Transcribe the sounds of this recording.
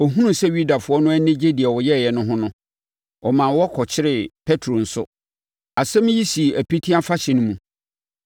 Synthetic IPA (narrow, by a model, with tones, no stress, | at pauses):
ɔ˨ɦũ˦nũ˦sɛ˦ɥu˦da˨fʊ˨˦ɔ˦nʊ̃˦ɛ˦nɪ̃˦d͡ʑe˦di˨ɛ˨wɔ˨jɛ˦˨jɛ˨nʊ̃˦ɦʊ̃˦nʊ̃˦ | ɔ˨mã˨wɔ˦kʰɔ˨t͡ɕʰɪ˦ɾɪ˨pʰɛ˦tʰɾo˨n̩˨sʊ̰˦ | a˨sɛ̃˦m̃˦ji˦si˨æ˨pi˦tʰi˦a˦fa˦ɕɪ˨nʊ̃˦mũ˨